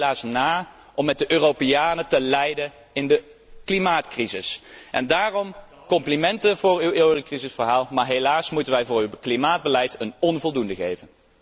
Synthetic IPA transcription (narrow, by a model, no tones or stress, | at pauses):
laːsnaː | ʔɔmːɛt̚dəʔøːropejaːnətəlɛjdən | ɪndə | klimaːtkrizɪsʔɛ̰ndaːrɔm | kɔmplimɛntənvʊːɹyweːwrəkrizəsfəɹɦaːlˠmaːɹɦejlaːsmutənʋɛjvʊːɹywklimaːd̚bəlɛjtənɔnvɔlˠdundəɣejvən